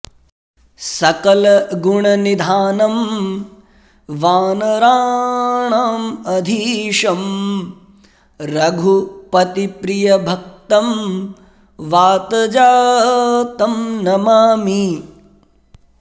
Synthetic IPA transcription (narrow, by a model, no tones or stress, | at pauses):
sɐkɐlɐɡuɳɐnid̪ʱaːnɐm | ʋaːnɐɾaːɳaːmɐd̪ʱiːʂɐm | ɾɐɡʱupɐt̪ipɾijɐbʱɐk̚t̪ɐm | ʋaːt̪ɐd͡ʒaː | t̪ɐmnɐmaːmi